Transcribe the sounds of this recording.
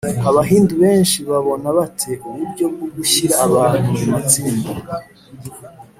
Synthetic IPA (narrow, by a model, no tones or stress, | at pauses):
aβaɦiːnduβe̞ːnʃiβaβo̞naβatʰe̞ʔuβuɾɟo̞b̚ɡoɡuçiɾaːβaːn̥umumat͡siːnda